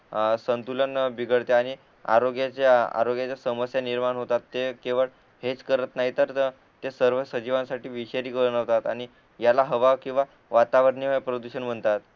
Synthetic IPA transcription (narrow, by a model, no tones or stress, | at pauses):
sənt̪ulənbiɡəɽt̪eaɽ̃i | a̰ɾoɡjat͡ɕaa̰ɾoɡjat͡ɕjasəməsjaniɾmaɳɦot̪at̪ːekeʋəɭ | het͡skəɾət̪naɦit̪əɾ | t̪esəɾʋəsəd͡ʑiʋansaʈiːʋiɕeɾiːkəɾənəʋt̪at̪aɽ̃i | jalaɦəʋakĩw̃ʋa | ʋat̪aʋəɾɳiʋapɾəd̪uɕənm̤əɳt̪at̪